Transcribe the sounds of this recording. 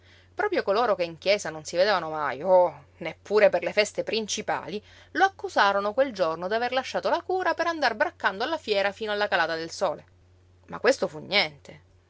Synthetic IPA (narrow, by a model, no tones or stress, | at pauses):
pɾɔːpɾjokoloːɾokeiŋk̟jɛːzanonsived̪eːvanoma̰jo | nepːuːɾeperlefɛst̪epɾint͡ʃipa̰ːli | loakːusaːɾonokweld͡ʒornod̪iaverlaʃːaːt̪olakuːɾapeɾand̪arbɾakːand̪oalːafjɛːɾafiːnoalːakalaːt̪ad̪elsoːle | ma̰kwest̪ofuɲːjɛnt̪ʰe